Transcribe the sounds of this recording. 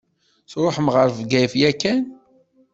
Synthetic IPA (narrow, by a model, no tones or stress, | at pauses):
θɾˤoħəmʁəɾvɡæjfjækːæn